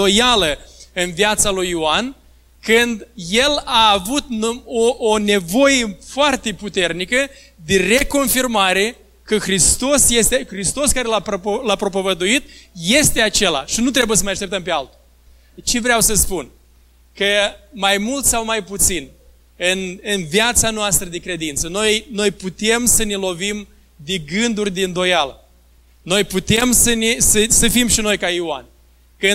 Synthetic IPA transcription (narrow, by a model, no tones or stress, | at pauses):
ojaləɨnviat̪salujoan | kɨnd̪je̞laːvut̪̚oʔone̞vo̞jefoart̪e̞put̪e̞rnikə | d̪e̞re̞ko̞nfirmaɾe̞ | kəxɾist̪o̞sje̞st̪exɾist̪o̞skaɾe̞laplapɾo̞p̬ovəd̪uit̪je̞st̪e̞at͡ʃe̞la̰ʃinut̪ɾe̞buje̞s̬əmajaʃt̪ept̪əmpealt̪u | t͡ʃe̞vɾeawsəspun | kəmajmult̪sawmajput̪sin | ɨnɨnviat̪sanoast̪ɾəd̪ekɾe̞d̪int̪səno̞jno̞jput̪e̞msəne̞lo̞vim | d̪eɡɨnd̪urʲd̪ind̪o̞jalə | no̞jput̪e̞msənesəsəfimʃino̞jkaiwa̰nʲ | kɨ